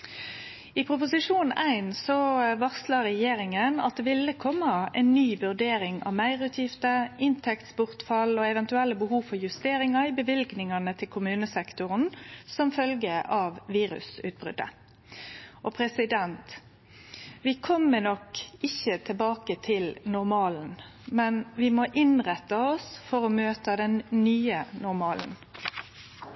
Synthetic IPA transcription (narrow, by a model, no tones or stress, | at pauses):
ɪpʰɾʊpʊsɪʂuːnæɪnsɔʋɑʁslɑɾɛjeːɾɪŋənɑ̰t̪̚d̪ɛːʋɪlːəkʰɔmːɑɛ̰ɪnːyːʋʉʁɖ̪eːɾɪŋɑ̰ʋmæɪʁʉːt̪ʰjɪft̪əɪnt̪ʰɛkt̪sbʊʁt̪fɑlɔɛʋɛnt̪ʉɛlːəbəhuːfɔʁjʉst̪eːɾɪŋɑɪbəʋɪlɡnɪŋɑnət̪ʰɪlkʰʊmʉːnəsɛkt̪ʊʁn̩sɔmfœlɡəʔɑʋʋiːɾʉ̰sʉ̰ːt̪̚bʁʏ̰d̪ə̰ | ʔɔpʰɾɛsɪd̪ɛnt̪ | ʋɪkʰɔmːənɔkɪçːət̪ʰɪlbɑːkət̪ʰɪlnʊɾmɑːln̩ | mɛnʋɪmoʔɪnʁɛt̪ːɑɔsfɔɾɔmøːt̪əd̪ɛnnyːənʊɾmɑːln̩